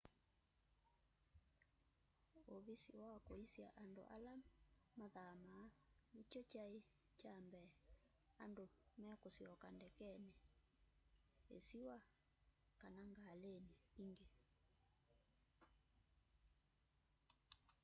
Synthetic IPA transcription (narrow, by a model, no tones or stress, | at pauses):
oβisiwaakoisia̰ʔando̰ʔa̰lamaðaːmaː | lit͡ʃɔt͡ʃae | t͡ʃambɛ | andomɛkosiɔkandɛkɛnɛ | ḛsiwa | kanaŋɡaleniiŋɡe